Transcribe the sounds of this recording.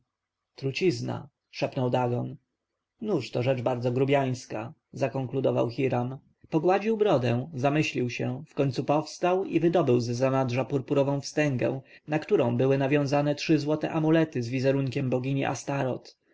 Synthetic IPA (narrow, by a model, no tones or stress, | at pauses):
t̪ɾut͡ɕizna̰ | ʂɛpnɔwd̪aɡɔn | nuʂt̪ɔʐɛd͡ʐbaɾd̪zɔɡɾubʲjaj̃ska | zakɔŋklud̪ɔva̰wxʲiɾam | pɔɡwad͡ʑiwbɾɔd̪ɛ̃zamɘɕlʲiwɕɛfkɔɲʲt̪supɔfst̪awivɘd̪ɔbɘwzɛzanadʐapuɾpuɾɔvɔ̃w̃fst̪ɛŋɡɛ̰̃w̃ | nakt̪uɾɔ̃w̃bɘwɘnavʲjɔ̃w̃zanɛtʂɘzwɔt̪ɛ̰ʔamulɛt̪ɘzvʲizɛɾuŋkʲɛmbɔɡʲiɲḭʔa̰st̪aɾɔt̪